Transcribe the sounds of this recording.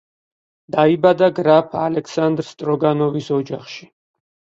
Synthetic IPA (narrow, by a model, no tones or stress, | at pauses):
d̪̥aibad̪aɡɾapʰalɛkʰsand̪ɾst̪ʼɾɔɡanɔvisɔd͡ʒaχʃi̥